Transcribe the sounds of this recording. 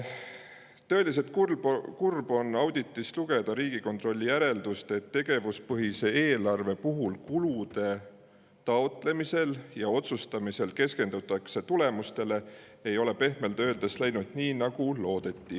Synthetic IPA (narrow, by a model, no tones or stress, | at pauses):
t̪ɤ̞e̞lise̞t̪̚kukurb̥o̞nɑwd̪̥ʲit̪ːˑisluɡ̥e̞d̪̥ɑɾiːɡ̥iko̞nt̪ˑro̞lʲːijæɾe̞ld̪̥ust̪e̞t̪ːe̞ɡ̥e̞vuspɤɦise̞eːlɑrve̞puɦulkulud̪̥e̞ | t̪ɑot̪le̞mise̞ljɑo̞t̪sust̪ɑmise̞lke̞ske̞nd̪̥ut̪ːˑɑkse̞t̪ule̞must̪e̞le̞ | e̞jo̞le̞pe̞hme̞ld̪ø̞ːld̪̥eslæjnud̪̥niːnɑɡ̥ulo̞ːd̪̥e̞t̪ˑːi